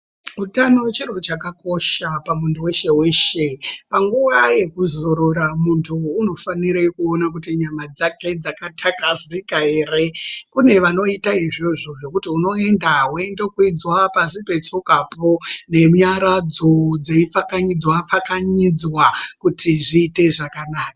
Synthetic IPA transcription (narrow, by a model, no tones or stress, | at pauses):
utanowt͡ʃero̞t͡ʃakako̞ʃapamunduwe̞ʃe̞we̞ʃepaŋɡuʋaje̞kuzo̞ɾo̞ɾamuntʰuːno̞faniɾekuonak̬utiɲamad͡zake̞d͡zakatʰakazikae̞re̞kune̞ʋano̞itaiʐoʐo̞ʐo̞kutiuno̞e̞ndaɦwendokwid͡zwapasipe̞t͡sokapo̞ne̞mɲaɾad͡zo̞d͡zeifakaɲid͡zwafakaɲid͡zwakutʰiʐiːte̞ʐakanaːka